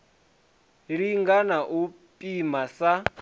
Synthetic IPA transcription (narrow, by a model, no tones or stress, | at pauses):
ɺiŋɡanaʔu | pʼimasa